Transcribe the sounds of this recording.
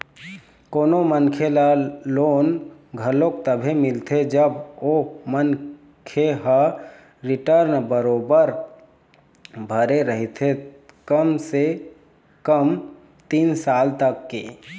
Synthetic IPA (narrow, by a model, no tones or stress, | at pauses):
koːnomənkʰelaloːnɡʱəlõkt̪əbʱemɪlt̪ʰed͡ʒəbomən | kʰeɦa | ɾɪʈəɾnbəɾoːbəɾ | bʱəɾeɾəɦit̪ʰekəmse | kəm | t̪iːnsaːlt̪əkːḛ